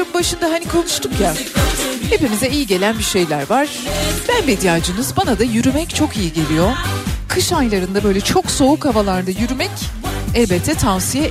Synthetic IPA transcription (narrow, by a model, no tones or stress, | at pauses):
ɯmbaʃɯnd̪aɦanikʰo̞nuʃt̪ʰukja | he̞pimizɛijiɟe̞lʲænbiʃe̞jlʲæɾvaɾ̥b̥ænbid̪ijaːd͡ʒɯnɯzbanad̪ajyɾymɛct͡ʃʰo̞kijiɟelʲijo̞kʰɯʃajlˠaɾɯnd̪abø̞jlʲɛt͡ʃʰo̞kso̞ukhavalˠaɾd̪ajyɾymɛcɛlʲbɛt̪ʰːɛt̪ʰansijɛ